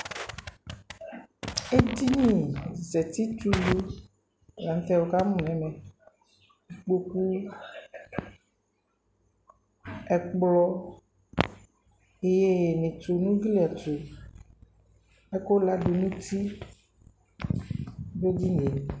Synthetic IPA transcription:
e˦d̪i˦nĩ˦˨zɛ˨t̪i˦t̪u˦lu˦˨ | la˨n˦t̪ɛ˦wo˨ka˦mũ˨nɛ̃˨mɛ̃˨ | i˨k͡po˦ku˦ | ɛ˨k͡plɔ˦ | e˦je˦˨nẽ˨t̪o˨nũ˦ɡli˦a˨t̪o˨ | ɛ˦ko˦la˦ɖo˨nũ˦t̪i˦ | bo˦di˦ne˨

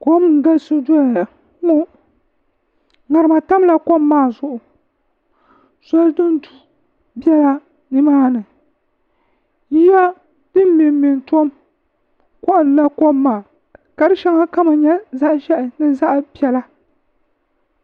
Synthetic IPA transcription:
ko˦m˨ŋ˨ɡa˦lso˦du˦ja˨ja˨ | mo˦ | ŋa˨ɾɨ˨ma˨ta˦m˦la˨ko˦mːaː˦˨zʊ˨ʔʊ˨ | sɔ˦ldɨ˦n˦du˨ | bɛ˦la˦ | nɨ˦maː˦nɨ˨ | ji˦ja˦ | dɨ˦m˦mɪ˨m˨mɪ˨ntɔ˦m | kɔ˦ʔla˦ko˦mːaː˨ | ka˨ɾɨ˦ʃɛ˦ŋa˦ka˦ma˨ɲɛ˦za˦ʔʒɛ˦ʔɪ˨nɨ˦za˦ʔbi˨ɛ˨la˦

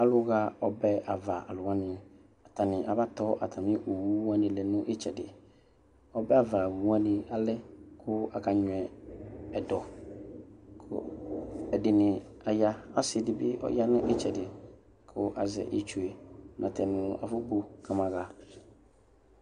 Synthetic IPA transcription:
a˦lʊ˦ɣa˦ɔ˨bɛ˦a˨va˨a̰˨lʊ˨ã˦nɪ̃˨ | a˨tʰa˨nɪ̃˨ʔa˨ba˦tɔ˦ʔa̰˨tʰa˨mɪ̃˦ʔo˨wu˦ã˦nɪ̃˨lɛ˨nʊ̃˦ʔɪ˦t͡ʃɛ˨dɪ˨ | ɔ˦bɛ˦a˨va˨wu˨˦ã˦nɪ˨a˨lɪ˦kʰʊ˦a̰˨ka˨ɲʊ˨ɛ˨ɛ˨dɔ˨ | kʰʊ̰˦ɛ˨dɪ˨nɪ̃˨ | a˨ja˦a˦sɪ˨dɪ˨˦bɪ˦ʔɔ̰˦ja˦nʊ̃˦ʔɪ˦t͡ʃɛ˨dɪ˨ | kʰʊ˦ʔa̰˨zɛ̰˨ʔi˦t͡ʃu˨e˨mʔã̰˨tʰɛ˨nʊ̃˨a̰˨fʊ˦bo˦kʰa˨mã˨ɣa˨

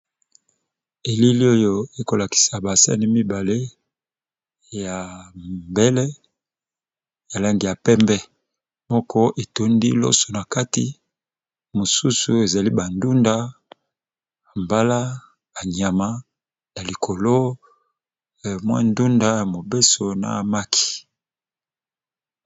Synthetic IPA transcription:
e˨li˦li˦o˦jo˦e˦ko˨la˨ki̥˨sa˨ba˨sa̰˦ni˦mi˦ba˨le˦ | ja˨mbe˦lɛ˦ | ja˨la˦ŋɡi˨ja˨pɛ˦mbɛ˦ | mɔ˦kɔ˦ʔe˨to˨ndi˦lo̰˦so˨na˨ka˦tḭ˨ | mo˨su˦su˨e˨za˨li˦ba˨ndu˦nda˦ | a˨mba˦la˦ | a˨ɲa˨ma˨ | ja˨li˨kʰo˨lo˦˨ | mwa̰˦ndu˦nda˦ja˨mo˨be˦so˨na̰˨ma˦kʰi̥˨

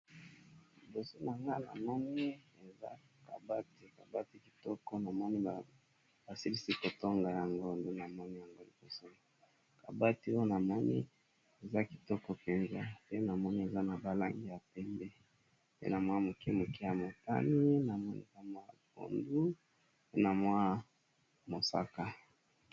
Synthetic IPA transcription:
li˨bo˨so˦na˨ŋɡa˦na̰˨mɔ˦ni˦e˨za̰˦ | ka˨ba˦ti˨ka˨ba˦ti˦ki̥˨tɔ˦kɔ˦na˨mɔ˦ni˦˨ | b̥a˨si˦li˦si˦ko˨tɔ˦ŋɡa˨ja˨ŋɡo˦˨ndu˦na˨mɔ˦ni˦ja˨ŋɡo˦li˨bo˨so˦n˨ | ka˨ba˦ti˦o˦na˨mɔ˦nḭ˦ | e˨za˦ki̥˨tɔ˦kɔ˦pɛ˨nza˦pe˦na˨mɔ˦ni˦e˨za˦na˨ba˨la˦ŋɡi˦ja˨pɛ˦mbɛ˦ | pḛ˦na˨mwa˦˨mo˨ki˦mo˨ki˦ja˨mo˨ta̰˦ni˦na˨mɔ˦nḭ˦ka˦ma˦˨ko̰˨ndu˦ | pe˦na˨mwa˦ | mo˨sa̰˦ka˦

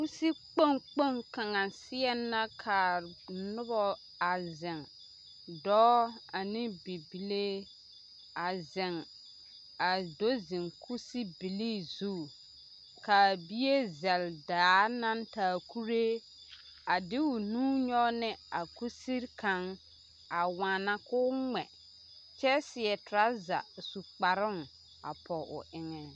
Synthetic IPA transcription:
ku˦si˦k͡po˦ŋk͡po˦ŋka˨ŋa˨sɪ˦ɛ˦nːa˦kʰa˨nʊ˦bɔ˨ | a˨zɪ˨ŋ | dɔː˦a˨nɪ˦bi˨bi˨le˦ | a˨zɪ˨ŋ | a˨do˦zɪ˨ŋkʰu˦si˦bi˨li˦zu˦˨ | ka˨bi˦je˦zɛ˨ldaː˨˦na˦ntaː˨˦kʰu˦ɾe˦ | a˨dɪ˦ʊ˨nũː˦ɲɔ˦nɪ˦a˨ku˦si˦ɾkã˨˦ŋ | a˨wãː˨na˦kʊː˦ŋɛ˨ | t͡ʃɛ˦sɪ˨ɛ˨tʊ˨ɾa˦za̰˨su˨k͡pa˨ɾʊ˦ŋ | a̰˨pʰɔ˨ʔʊ̰˨ʔɪ˦ŋɛ˨

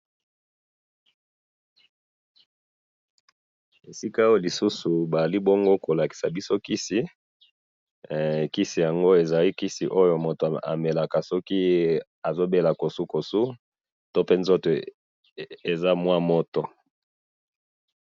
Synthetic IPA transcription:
e˨si˦ka˦o˦jo˦˨li˨su˦su˨ba˨za˨li˦bo˦ŋɡo˦ko˨la˨ki̥˨sa˨bi˦so˦ki˦si˨ | ki˦si˨ja˨ŋɡo˦e˨za˨li˦ki˦sḭ˨ʔo˦jo˨mo˨to˨a̰˨me˨la˨ka˨sɔ˦ki˦ | a˨zo˦be˦la˨ko˨su˦ko˨su˦ | to˦pe˦nzo˦to˨ | e˨za˦mwa˦mɔ˦to˨

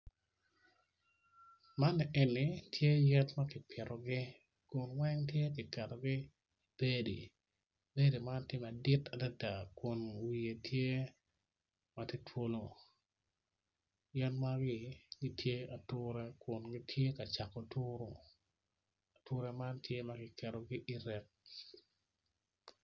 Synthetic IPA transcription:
ma˦nɛ˨ʔɛ˨nːɪ˨tʰje˦jɛ˦tma˦kɪ˨pʰɪ˨ɾʔɔ˨ɡɪ˦ | kʊ˨nwɛ˦ŋtje˦kɪ˨kɛ˨ɾo˨ɡɪ˦ | b̥e˦di˨ | be˦di˨ma˦ntɪ˦mɛ˨dɪ˦ta˨da˦da˨kʊ˨nwi˨e˨tʰje˦ | ma˨ti˦tʰwo˦lo˨ | jɛ˦tma˦ɡɪ˦ɡɪ˦tʰje˦a˨tʊ˦ɾɛ˦kʊ˨nɡɪ˦tʰje˦ka˨t͡ʃa˨ko˨tʊ˦ɾo˨ | a˨tʊ˦ɾɛ˦ma˦ntje˦ma˦kɪ˨kɛ˨ɾo˨ɡɪ˦ʔi˦ɾɛ˨k̚

